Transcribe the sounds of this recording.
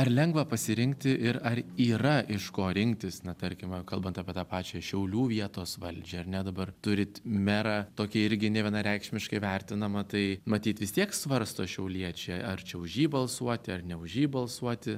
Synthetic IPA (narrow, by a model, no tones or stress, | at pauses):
ɐrlʲɛŋɡʋɐpɐsʲɪɾʲɪŋk̚t̪ʲɪʔɪɾɐriːɾɐʔɪʃkoːɾʲɪŋkt̪ʲɪsnʲɐt̪ɐɾʲkʲɪmkɐlˠbɐnt̪ɑpʲiɛt̪ɑːpɑːt͡ʃʲɛʃʲɛʊlʲuːʋʲiɛt̪oːsʋɐlʲd͡ʒʲɛɐrnʲɛd̪ɐbɐrt̪ʊɾʲɪt̪mʲæɾɑt̪oːkʲiɪɾʲɡʲɪnʲɛʋʲiɛnɐɾʲɛɪkʃʲmʲɪʃkɐɪʋʲɛɾʲt̪ʲɪnɐmɐt̪ɐɪmɐt̪ʲiːt̪ʋʲɪst̪ʲiɛksʋɐɾst̪oːʃʲɛʊlʲiɛt͡ʃʲɛɐrt͡ʃʲɛʊʒʲiːbɐlˠsuɔt̪ʲɪɐrnʲɛʊʒʲiːbɐlˠsuɔt̪ʲɪ